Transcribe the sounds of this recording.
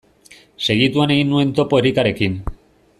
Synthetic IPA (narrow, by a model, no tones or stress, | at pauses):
se̞ɣ̞it̪uane̞ɣinːue̞nt̪o̞poeɾikaɾe̞kin